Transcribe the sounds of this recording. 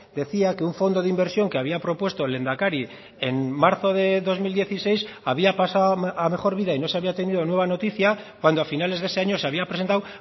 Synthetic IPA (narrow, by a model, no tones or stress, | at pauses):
d̪e̞θiake̞uɱfo̞nd̪o̞ðeimbe̞ɾsjo̞ŋkeaβ̞iapɾo̞pwe̞st̪ole̞nd̪akaɾi | enmaɾθo̞ðe̞ðo̞zmild̪je̞θise̞jsaβiapasaame̞χo̞ɾβiðaino̞se̞aβiat̪e̞niðo̞nwe̞β̞ano̞t̪iθja | kwand̪oafinale̞zðese̞aɲo̞se̞aβiapɾese̞nt̪aw